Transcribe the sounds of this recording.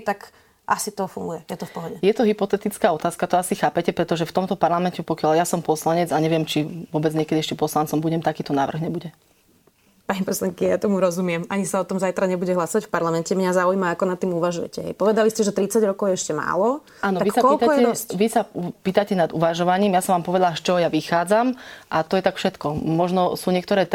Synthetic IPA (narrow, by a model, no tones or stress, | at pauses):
ɛt̪ak | ʔasit̪ɔfuŋɡujɛjɛt̪ɔfpɔɦɔɟɛjɛt̪ɔɦipɔt̪ɛt̪it͡skaːɔt̪aːskat̪ɔasixaːpɛcɛpɾɛt̪ɔʒɛft̪ɔmt̪ɔpaɾlamɛncɛpɔkɪjaljasɔmpɔslaɲɛd͡zaɲɛʋɪɛmt͡ʃiʋʊɔbɛd͡zɲɛkɛd̪iɛʃcɛpɔslant͡sɔmbuɟɛmt̪akiːt̪ɔna̰ːʋr̩ɣɲɛbuɟɛ | paɲipɔslaŋkija̰t̪ɔmuɾɔzumɪɛmaɲisaɔt̪ɔmzajt̪ɾaɲɛbuɟɛɦlasɔʋacfpaɾlamɛncɛmɲazaujmaːkɔnat̪ːiːmuʋaʒujɛ̰cɛɦɛ̰jpɔʋɛd̪aliscɛʒɛt̪ɾit͡saɟɾɔkɔʊjɛɛʃcɛma̰ːlɔ | aːnɔaʋisakɔlilkt̪aɔɛɛʋisapiːt̪acɛnad̪uʋaʒɔʋaɲiːmjasɔʋaːmpɔʋɛd̪alaʃt͡ʃɔɦɔjaʋixaːd͡zamʔat̪ɔjɛt̪akfʃɛt̪kɔmɔʒnɔsuːɲɪɛkt̪ɔɾɛːt̪